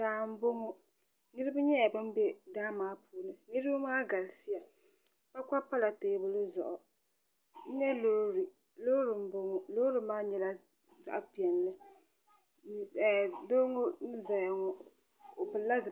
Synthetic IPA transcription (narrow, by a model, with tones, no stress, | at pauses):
daː˨m̩˦bo˦ŋo˦ | nɨ˦ɾɨ˦bɨ˦ɲɛ˦ja˨bɨ˦m˦bɛ˦daː˦maː˦pʰuː˨nɨ˨nɨ˦ɾɨ˦bʊ˦maː˦ɡa˨lsi˦ja˨ | pa˦ka˦pa˦la˨teː˨˦bʊ˨lʊ˦zʊ̰˨ʔɔ˨ | n̩˦ɲɛ˦lo˦ɾi˨ | loː˦ɾɨ˨m̩˦bo˦ŋʊ˦lo˦ɾɨ˦maː˦ɲɛ˦la˦ | za̰˨ʔpi˨ɛ˨n˨lɨ˦˨ | doː˦ŋo˦n˦za˨ja˨ŋɔ˨ | o˨bɨ˨la˦zɨ˨